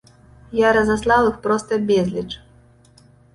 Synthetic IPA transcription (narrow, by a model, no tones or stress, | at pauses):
jaɾɐzaslˠawɨxpɾɔst̪ɐbʲɛzʲlʲit͡ʂ